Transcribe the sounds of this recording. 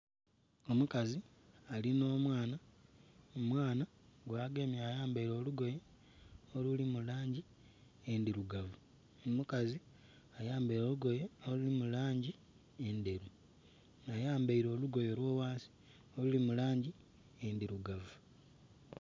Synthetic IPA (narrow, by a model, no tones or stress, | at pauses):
o̞mukazi | alino̞ːmwaːna | omwaːnaɡwaːɡeːmjaːjaːmbaiɾo̞ːluɡo̞je | olulimulaːɲɟi | endiɾuɡavu | mukazi | ajaːmbaiɾo̞ːluɡo̞jeolulimulaːɲɟi | ende̞ɾu | najaːmbaiɾo̞ːluɡo̞jo̞lwoːwaːnsi̥ | olulimulaːɲɟi | endiɾuɡavu